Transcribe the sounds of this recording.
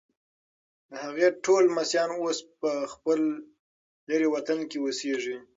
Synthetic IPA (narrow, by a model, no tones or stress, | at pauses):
d̪əhaɣeʈʰolmasjɑnospəxpəlː | əɾewat̪ankewəseʐi